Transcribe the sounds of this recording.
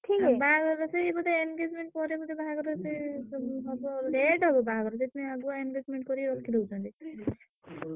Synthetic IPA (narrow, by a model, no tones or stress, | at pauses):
ʈʰikɛbaaɡɔɾɔseebɔd̪eenɡed͡ʒmeɳʈ̚pɔɾebɔd̪ebaɦaɡɔɾɔseɦɔbɔleɖɦɔbɔbaɦaɡɔɾɔset̪umĩaɡuaenɡed͡ʒmeɳʈ̚kɔɾiɾɔkʰilout͡ʃʰɔnt̪i